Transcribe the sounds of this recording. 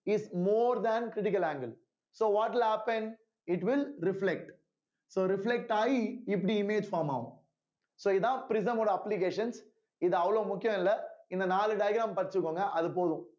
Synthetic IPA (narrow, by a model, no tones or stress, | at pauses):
ɪsmoːɾd̪ænkɾɪʈɪk̬ɐlaːŋɡɐl | soːʋɔːʈʋɪlhæːpɛn | ɪʈʋɪlɾɪflɛk̚ʈ | soːɾɪflɛk̚ʈaːjiɪp̬ːɐɽiɪmeːd͡ʒfaːɾmaːʋʊ̰̃ | soːɪððãːpɪɾɪs̬ɐmoːɽɐɐplɪk̬eːʂɐns | ɪðɯɐʋɐɭoːmʊkːɪjɐ̃mɪlːɐɪnd̪ɐnaːlɯɖɐɪɡɾaːmpɐɾɪt͡ʃːɯkːoːŋɡɐʔɐðɯpoːðʊ̃